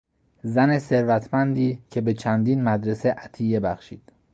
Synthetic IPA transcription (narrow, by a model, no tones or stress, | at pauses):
zæne̞se̞ɾvæt̪ʰmænd̪iːcʰe̞be̞t͡ʃʰænd̪iːnmæd̪ɾe̞se̞ʔæt̪ʰije̞bæχʃiːd̪̥